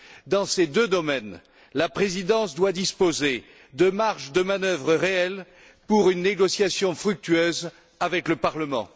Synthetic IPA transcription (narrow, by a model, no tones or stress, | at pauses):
d̪ɑ̃sed̪ød̪ɔmɛn | lapχezid̪ɑ̃sd̪wad̪ispoze | d̪əmaʁʃd̪əmanœvʁəʁeɛl | puʁynːeɡɔsjasjɔ̃fχyk̚t̪yøz | avɛkləpaʁləmɑ̰̃